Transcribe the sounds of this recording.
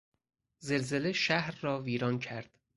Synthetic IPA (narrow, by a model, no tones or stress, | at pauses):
zelzeleʃæhɾːɒːviːɾɒːncʰæɾd̪̥